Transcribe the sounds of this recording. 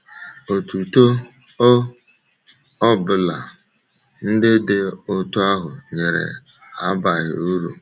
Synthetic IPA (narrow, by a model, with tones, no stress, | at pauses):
o˨tu˨to˦ | ɔ˦bʊ˨la̰˨ | n̩˦dɪ˦dɪ˦˨o˦to˦a˦ɦʊ˨ɲe˨ɾḛ˨ | a̰˦ba˨ɦɪ̰˨u˦ɾu˨